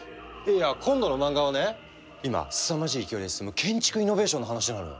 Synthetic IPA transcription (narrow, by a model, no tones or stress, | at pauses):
eakʰõ̞nd̪o̞no̞mãŋɡaone̞ | ima̰sɨ̥samaɕiːkʲioɾiesɨ̥sɨmɯ̟kʰẽ̞ɲ̟t͡ɕi̥kɯ̟ino̞be̞ːɕõ̞nːoɦanaɕienaɾɯno̰